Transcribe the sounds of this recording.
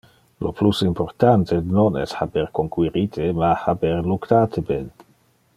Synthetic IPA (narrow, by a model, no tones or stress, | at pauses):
loplusimport̪ant̪ʰenonɛ̰shabɛɾkoŋkwiɾit̪ʰemahabɛɾlukt̪aːt̪ʰebɛn